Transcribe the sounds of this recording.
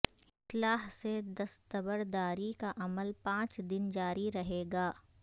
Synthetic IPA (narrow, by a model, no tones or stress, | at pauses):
ɪt̪laːɦsed̪ɐst̪əbəɾd̪aːɾikaʔɐməlpãːt͡ʃd̪ɪnd͡ʒaːɾiɾɐɦeːɡaː